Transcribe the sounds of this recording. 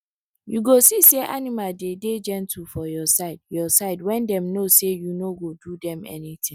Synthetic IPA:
juɡosiseʔanimaldeded͡ʒɛ̃ntʰufɔjɔsaɪdjɔsaɪdwɛ̃ndɛ̃mnosejunoɡodudɛ̃mɛ̰nitʰɪ̃

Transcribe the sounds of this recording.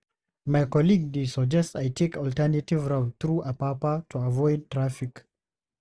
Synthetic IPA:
majkɔliɡ̚desɔd͡ʒɛstajtʰekɔltɛnativɹaʊnθɹuʔəpapatʰuavɔɪd̚tɹafik

